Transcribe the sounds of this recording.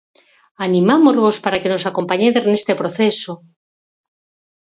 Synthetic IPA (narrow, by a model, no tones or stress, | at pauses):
anĩmamozβospaɾakenosako̞mpaɲeðeznest̪epɾoθeso